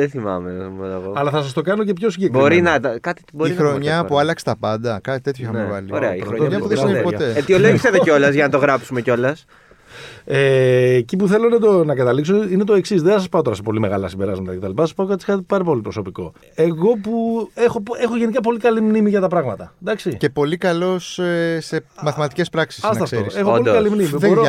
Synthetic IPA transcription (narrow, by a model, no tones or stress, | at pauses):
ðeθimɐ̰memɐnɐɣoɐlɐθɐsɐst̪o̞kɐno̞ce̞pço̞siɲɟebɾio̞ɾinɐt̪ɐkɐt̪i̥boɾiinxɾoɲɐpuɐlɐkse̥t̪ɐpɐnd̪ɐkɐt̪it̪e̞t̪çoxɐnevɐ̰lioɾeɐiɾoɲɐpuðepot̪eet̪ioloʝiset̪eco̞lɐzʝɐnɐt̪o̞ɣɾɐpsumeco̞lɐs | eːcipuθe̞lonɐt̪onɐkɐt̪ɐliksoinet̪oe̞ksisðeθɐsɐspɐo̞t̪o̞ɾɐse̞po̞lime̞ɣɐlɐ̰simbe̞ɾɐ̰zmɐnt̪ɐ̰kcet̪ɐ̰lipɐspɐokɐt̪iskɐt̪ipɐɾɐpo̞lipɾo̞so̞piko̞̰ | e̞ɣo̞puexo̞e̞xo̞ʝe̞nik̬ɐp̬o̞likɐlimnimiʝɐt̪ɐpɾɐɣmɐt̪ɐd̪ɐksice̞po̞likɐlo̞sse̞mɐθimɐt̪i̥cespɾɐksi̥sɐst̪ɐfsoɾisexooloiɐlimnimiboɾ